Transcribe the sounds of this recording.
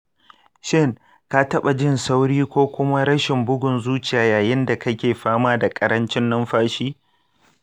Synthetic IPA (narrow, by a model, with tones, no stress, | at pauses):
ʃɪ˦ŋ | ka˦tɐ˦ɓa˨d͡ʒɪ˦nsa˦wɽiː˦kʷoː˦kʷʊ˦ma˦ɽɐ˦ʃɪ˨mbʊ˦ɡʷʊ˨nzuː˦t͡ʃɪ˨jaː˨jaː˨jɪ˦nda˨kɐ˦kʲeː˨ɸaː˦maː˦da˨kʼɐ˦ɾɐ˦nt͡ʃɪ˦nːɐ˦mɸaː˦ʃiː˦